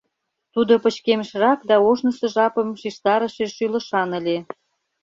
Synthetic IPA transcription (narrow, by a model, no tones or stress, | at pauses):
t̪ud̪opə̆t͡ɕkeməʃrɑkd̪ɑoʒnəsə̆ʒɑpə̆mʃiʃt̪ɑɾə̆ʃeʃylə̆ʃɑnə̆lʲe